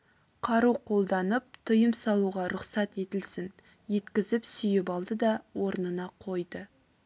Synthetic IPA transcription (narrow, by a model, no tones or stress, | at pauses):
qʰɑɾuqʰo̞lˠd̪ɑnəp̚t̪ʰəjəmsɑlˠuʁɑɾʊqsɑt̪e̞t̪ɪlsɪn | je̞t̪kʲɪzɪpsʏjɪpɑlˠd̪əd̪ɑwo̞ɾnənɑqʰo̞jd̪ə